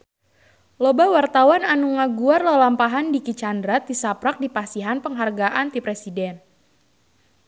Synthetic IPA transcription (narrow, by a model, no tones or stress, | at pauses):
lobawart̪awananuŋaɡuarlalampaɦandikit͡ʃandɾat̪̚disapɾak̚dipasiɦanpəŋɦarɡaʔant̪ipɾesidɛn